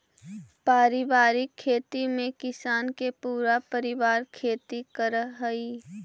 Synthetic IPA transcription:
paːɾɪbaːɾɪkʰːeːt̪imẽkɪsaːnkepuːɾapəɾɪʋaːɾkʰeːt̪ikəɾɦəi

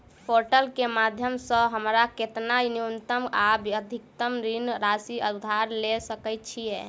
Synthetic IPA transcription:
pʰoɾʈəlkemad̪ʱjəmsə̃ɦəmɾaket̪nainiunt̪əmabiəd̪ʱik̚t̪əmɾinɾasiəd̪ʱaɾlesəkɛjt̪̚t͡ʃʰije

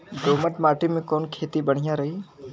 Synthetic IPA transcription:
d̪oːməʈmaːʈimẽkɔːnkʰeːt̪ibəɽ̤̃ɪjaɾəɦiː

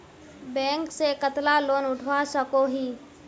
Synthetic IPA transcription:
bɛ̃ːŋksekət̪laloːnʊʈʰwasəkoɦiː

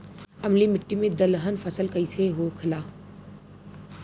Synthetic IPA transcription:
ɐmlimɪʈːimẽd̪əlɦənfʰəsəlkəiseɦoːkʰɐlaː

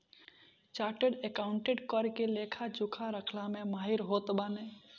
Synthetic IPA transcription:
t͡ʃaʈeɖekaʊɳʈeɖkəɾkelekʰad͡ʒukʰaɾəkʰlamemaɦiɾɦot̪bane

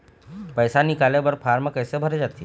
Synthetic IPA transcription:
pəjsanɪkaːlebəɾpʰaːɾməkəsebʱəɾed͡ʒaːt̪i

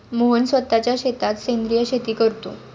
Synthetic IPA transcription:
moɦənsʋət̪ːat͡ɕjaɕet̪at̪send̪ɾijəɕet̪iːkəɾt̪ṵː

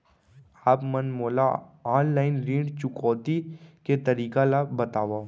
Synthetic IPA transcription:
aːpmɐnmoːlaaːnlaːɪnɾĩːɖt͡ʃʊkɔːt̪iket̪ɐɾiːkalabɐt̪aːʋaː

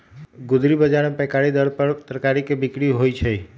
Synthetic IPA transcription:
ɡud̪ɾibəd͡ʒaɽepɛkaɭid̪əɾpəɾt̪ɾkaɾikbikɽiɦojt͡ʃʰe

